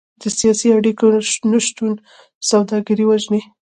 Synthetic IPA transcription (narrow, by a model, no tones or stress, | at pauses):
d̪̥əsijɑsiaɽikonaʃt̪un | sawd̪ɑɡaɾiwaʒne